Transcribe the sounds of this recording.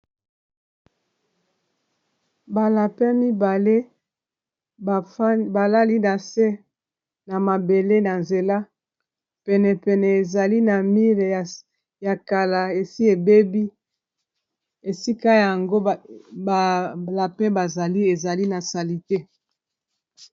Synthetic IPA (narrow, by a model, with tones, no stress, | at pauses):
ba˨la˨pɛ˦mi˦ba˨le˦˨˦ | ba˨la˦li˦na˨sɛ˦ | na˨ma˨be˨le˦na˨nze˨la˦ | pɛ˨nɛ˨pɛ˨nɛ˨e˨za˨li˦na˨mi˦le˨ | ja˨ka˨la˨e˨si˦e˨be˦bi˦ | e˨si˦ka˦ja˨ŋɡo˦˨ | la˨pɛ˦ba˨za˨li˦e˨za˨li˦na˨sa˨li˨te˦